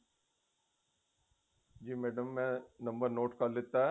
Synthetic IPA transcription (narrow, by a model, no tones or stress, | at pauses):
d͡ʑiːmeːɖəmːɛ̃nɐ̃mbəɾnoːʈkaːlːɪt̪ːa